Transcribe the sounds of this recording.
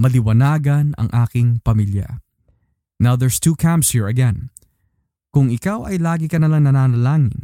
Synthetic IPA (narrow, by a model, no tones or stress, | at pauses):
mɐlɪwɐnaːɡɐnɐ̰ŋʔaːkɪŋpɐmiljɐ̰ | nawðɛɹst̪uːkʰãmpshiɹɐɡɛ̃n | kʊŋɪkawʔɐjlaːɡɪkɐnɐlaŋnɐnaːnɐlaːŋɪ̰n